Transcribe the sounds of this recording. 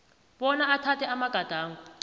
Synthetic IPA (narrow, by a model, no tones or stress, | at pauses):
ɓɔnaatʰatʰɛamaɡ̥ʱad̥ʱaːŋɡu